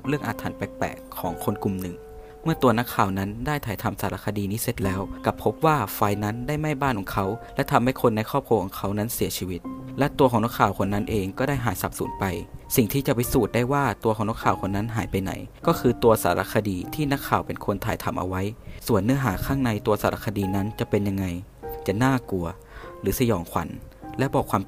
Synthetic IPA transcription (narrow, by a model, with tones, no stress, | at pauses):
ɾɯ˥˩əŋʔaː˧t̪ʰaː˨˩˦npɛː˨˧˩k̚pɛ̰ː˨˩kʰːɔː˩˦ŋkʰo˧nku˨˩mnɯ˨˩ŋ | mɯ˥˩ɐt̪u˧ɐna˦˥kʰːaː˨˩wna˦˥ndaː˥˩jt̪ʰaː˨˩jt̪ʰa˧msa̰ː˩˦la˧˥kʰːa˧diː˧niː˦˥se˧˩t̪̚lɛː˦˥wka˧˩pʰːo˦˥p̚waː˥˩fa˧jna˦˥ndaː˥˩jma˥˩jbaː˥˩nkʰɔː˨˩˦ŋkʰa˦˥wlɛ˦˥t̪ʰa˧mha˥˩jkʰo˧nːa˧jkʰɔː˥˩p̚ʰu˧kʰɔː˩˦ŋkʰa˦˥wna˦˥nsi˨˩˦t͡ɕʰi˧wi˦˥t̪̚lɛ˦˥t̪u˧kʰɔː˨˩˦ŋna˦˥kʰaː˨˩wkʰo˧nːa˦˥nʔeː˧ŋkɔː˥˩daː˥˩jɦaː˩˦jsa˧˦p̚sṵː˩˦npa˧jsi˨˩ŋt̪ʰiː˥˩t͡ɕa˨˩pa˧jsuː˨˩t̪̚daː˥˩jwaː˥˩t̪u˧xɔː˩˦ŋna˥kʰaː˨˩wkʰo˧nːa˦˥nɦaː˩˦jpa˧jna̰˨˩˦jkɔː˥˩kʰɯː˧t̪u˧ɐsa̰ː˩˦ɾʔa̰˧˥kʰa˧diː˧t̪ʰiː˥˩na˦˥kʰːaː˨˩wpe˧nkʰo˧nt̪ʰaː˨˩˦jt̪ʰa˧mʔa̰˧wa˦˥jsu˨˩ənːɯ˦˥ɐɦaː˩˦kʰaː˥˩ŋna˧jt̪u˧ɐsaː˩˦ɾa̰˧˥kʰːa˧diː˧na˦˥nt͡ɕa˨˩pe˧nja˧ŋːa˧jt͡ɕa˨˩naː˥˩ku˧ɐ | ɾɯː˩˦sa˧jɔː˩˦ŋkʰa̰˨˩˦nlɛ˦˥bɔː˨˩kʰwaː˧m